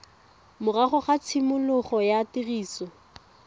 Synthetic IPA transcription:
mʊraχɔχat͡sʰɪmʊlʊχɔjatiriːsɔ

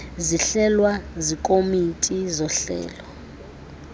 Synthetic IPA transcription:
ziɬɛlwazikʼomitʼizɔɬɛ̰ːlɔ

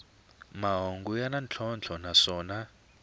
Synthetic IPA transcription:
maɦoŋɡujanant͡ɬʰɔnt͡ɬʰɔnasɔːna

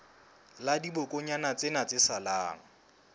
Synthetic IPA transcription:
ladibʊkʼʊɲanat͡sʼɪnat͡sʼɪsala̰ːŋ̩

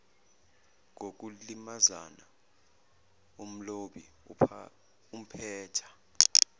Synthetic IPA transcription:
ŋʱok̬ulimazana | om̩loɓḭ | um̩pʰɛːtʰḁ

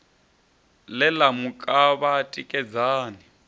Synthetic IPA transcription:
lɛlamukʼaβatʼikʼɛd͡zaːni

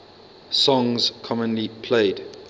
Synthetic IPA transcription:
sɔ̃ŋz̥kʰɔmə̃nlipʰleɪd

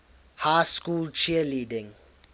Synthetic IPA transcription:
hajskult͡ʃiəlidɪ̃ŋ

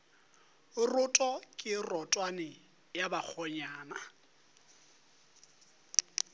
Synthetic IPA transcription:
rʊtʼɔkʼɪrɔtʼwanɪ | jabak͡xʰɔɲaːna

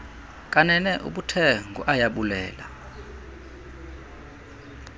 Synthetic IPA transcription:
kʼanɛnɛʔṵɓutʰɛŋɡʱṵʔajaɓulɛːla

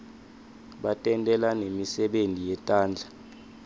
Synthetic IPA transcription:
ɓatʼɛntʼɛlanemisɛɓentʼijɛtʼaːnd͡ɮʱa

